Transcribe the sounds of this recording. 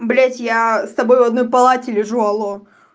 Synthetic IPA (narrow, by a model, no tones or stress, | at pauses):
blʲatʲjast̪ɐbojʊvɐd̪no̞jpɐlˠatʲɪlʲɪʐuɐlˠo